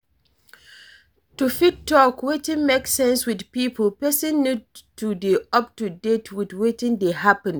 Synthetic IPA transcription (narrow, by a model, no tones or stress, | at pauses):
tufid̚tːɔkwetĩnmeksɛ̃nswidpipəlpɛsə̃nːud̚tudiʌp̚tudetʰwidwetɪ̃ndehapə̃n